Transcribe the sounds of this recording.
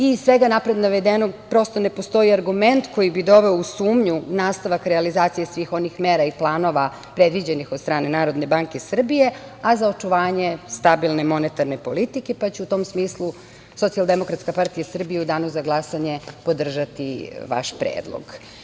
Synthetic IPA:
isʋeɡanapɾe̞d̪naʋed̪enopɾo̞st̪o̞ne̞po̞st̪o̞iaɾɡument̪ko̞jibid̪o̞ʋeousuːmɲunaːst̪aʋakɾɛalizaːt̪sijesʋiːxo̞nixmeːɾaiplˠaːno̞ʋa | pɾe̞d̪ʋid͡ʑe̞nixod̪st̪ɾaːne̞naːɾo̞d̪ne̞baŋkesr̩bije̞azaot͡ʃuʋaːɲest̪abilˠnemo̞net̪aɾnepo̞lit̪ike̞pat͡ɕeut̪o̞ːmsmiːslˠu | so̞t̪sialˠd̪emo̞kɾat̪skapaɾt̪ijasr̩bijeud̪aːnuzaɡlˠasaɲe̞po̞d̪r̩ʒat̪iʋa̰ʃpɾḛːd̪lˠo̰ɡ

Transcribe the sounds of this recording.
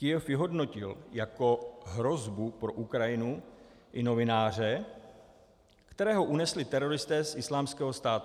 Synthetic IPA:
kɪjɛfjɪɦo̞dno̞cɪljako̞ɦɾo̞zbupɾo̞ʔukɾajɪnu | ʔɪno̞vɪnaːr̝ɛ | kt̪ɛɾɛːɦo̞ʔunɛslɪt̪ɛɾo̞ɾɪst̪ɛːsʔɪslaːmskɛːɦost̪aːt̪

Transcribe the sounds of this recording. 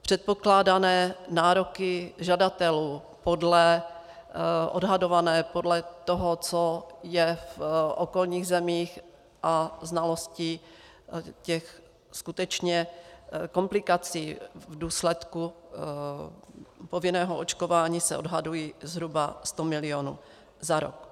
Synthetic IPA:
pr̝̥ɛt̪̚po̞klaːdanɛːnaːɾokɪʒadat̪ɛluː | podlɛ | ʔo̰dɦado̞vanɛːpodlɛt̪oɦot͡sojɛfʔokolɲiːɣzɛmiːx | ʔaznalo̞sci | cɛx | skut̪ɛt͡ʃɲɛkomplɪkat͡siːvduːslɛt̪ku | povɪnɛːɦoʔot͡ʃkovaːɲiːsɛ̰ʔodɦadujiːzɦɾubast̪omɪlɪonṵː | zaɾo̰k̚

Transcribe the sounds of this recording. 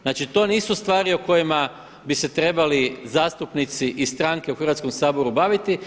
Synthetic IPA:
znaːt͡ʃit̪o̞ːniːsust̪ʋaːɾioko̞jima | bise̞t̪ɾe̞balizaːst̪upnit̪siʔist̪ɾaŋke̞uxrʋat̪sko̞msaːbo̞ɾubaʋit̪i

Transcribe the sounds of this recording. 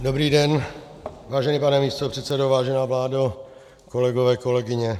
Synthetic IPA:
dobɾiːdɛn | vaːʒɛniːpanɛmiːst̪opr̥ɛt̪sɛdovaːʒɛnaːvlaːdo | kolɛɡovɛːkolɛɡɪɲɛ

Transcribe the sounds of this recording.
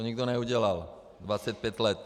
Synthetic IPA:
oɲiɡd̪onɛuɟɛlal | d̪vat͡sɛt̪̚pjɛt̪lɛt̪

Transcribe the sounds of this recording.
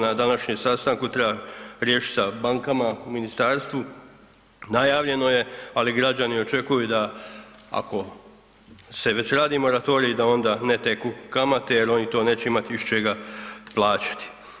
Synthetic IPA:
nad̪anaʃɲemsast̪aŋkut̪ɾebaɾjeːʃi̥sabaŋkamauminist̪aːɾst̪ʋu | najaːʋʎe̞no̞je̞aliɡɾad͡ʑanio̞t͡ʃe̞kujud̪a | a̰ko̞ | se̞ʋe̞t͡ɕɾaːd̪imo̞ɾat̪o̞ːɾiːd̪ao̞nd̪anet̪e̞kukamat̪ejeɾo̞nit̪o̞ːne̞ːt͡ɕe̞imat̪iiʃt͡ʃeɡaplˠaːt͡ɕḁt̪i̥

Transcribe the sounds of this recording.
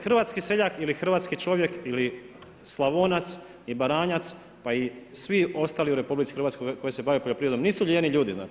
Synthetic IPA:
xrʋaːt̪skise̞ʎakilixr̩ʋaːt̪skit͡ʃo̞ʋje̞kili | slˠaʋonat̪s | ibaɾaːɲat̪s | paisʋio̞st̪aːliuɾe̞publit̪si̥xɾʋat̪skoko̞jese̞baːʋepoʎopɾiːed̪omniːsuʎeniʎuːd̪izna̰ːt͡ʃ

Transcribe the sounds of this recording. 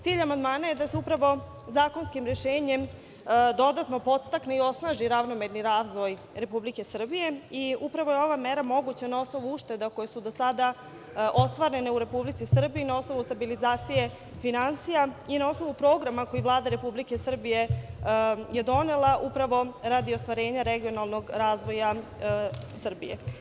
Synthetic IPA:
t̪siːʎamand̪maːnaje̞d̪ase̞upɾaʋo̞ | zaːko̞nskimɾeʃeːɲem | d̪o̞d̪at̪no̞po̞t̪st̪akne̞io̞snaːʒiɾaʋno̞meɾniɾaːzʋo̞j | ɾe̞publike̞sr̩bije̞iupɾaʋo̞jeo̞ʋameɾamo̞ɡut͡ɕanao̞sno̞ʋuuʃt̪e̞d̪ako̞jesud̪osad̪a | ʔo̞st̪ʋaɾe̞ne̞uɾe̞publit̪sisr̩biiːnao̞sno̞ʋust̪abilizaːt̪sije̞ | finansijainao̞sno̞ʋupɾo̞ːɡɾamako̞jivlˠaːd̪aɾe̞publike̞sr̩bije̞ | je̞d̪o̞ne̞laʔupɾaʋo̞ɾad̪iost̪ʋaɾe̞ːɲaɾe̞ɡio̞nalˠno̞ɡɾaːzʋo̞ja | sr̩bijḛ

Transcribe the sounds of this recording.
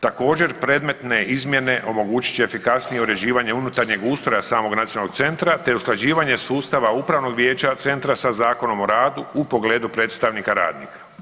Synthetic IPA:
t̪ako̞ːd͡ʑe̞ɾpɾe̞ːd̪me̞t̪ne̞izmje̞ne̞ʔo̞mo̞ɡuːt͡ɕi̥t͡ɕeefikasnijeuɾe̞d͡ʑiːʋaɲeunut̪aɾɲe̞ɡuːst̪ɾojasaːmo̞ɡnat̪ionaloɡt̪se̞nt̪ɾat̪e̞usklad͡ʑiːʋaɲe̞suːst̪aʋaupɾaʋno̞ɡʋje̞ːt͡ɕat̪se̞nt̪ɾasazaːko̞no̞mo̞ɾaːd̪uupo̞ɡle̞ːd̪upɾe̞ːt̪st̪aʋnikaɾa̰ːd̪nḭːkḁ

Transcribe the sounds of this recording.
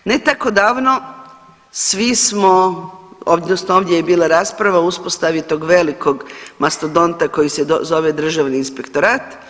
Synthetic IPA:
ne̞t̪ako̞d̪aːʋno̞ | sʋismo | oʋd̪nosnooʋd̪je̞jebiːlˠaɾaːspɾaʋauspost̪aʋit̪o̞ɡʋe̞liko̞ɡmast̪od̪o̞nt̪ako̞jisezo̞ʋed̪r̩ʒaʋniːnspe̞kt̪o̞ɾaːt̪

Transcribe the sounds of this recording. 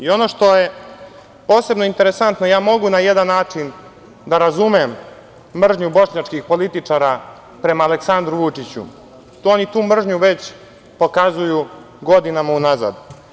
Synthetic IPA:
io̞no̞ʂt̪o̞je | po̞ːse̞bnoint̪e̞ɾesant̪nojaːmo̞ɡunajed̪anːaːt͡ʂin | d̪aɾazumemː | r̩ʒɲubo̞ʂɲat͡ʂkixpo̞lit̪it͡ʂaɾa | pɾe̞maːleksand̪ɾuʋut͡ʂit͡ɕṵ | t̪onit̪uːmr̩ʒɲuʋe̞t͡ɕ | po̞kazuju | ɡo̞d̪inamaunaza̰d̪

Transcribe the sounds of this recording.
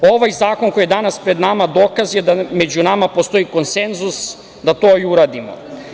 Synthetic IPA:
o̞ʋajzaːko̞nko̞jed̪anaspɾe̞d̪namad̪o̞ːkazjed̪ame̞d͡ʑunamapost̪o̞iko̞nse̞nzus | d̪at̪oiuɾaːd̪imo̰

